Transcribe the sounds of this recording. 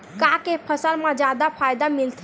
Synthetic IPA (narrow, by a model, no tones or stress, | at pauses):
kakepʰəsəlmed͡ʒad̪apʰajd̪amilt̪ʰ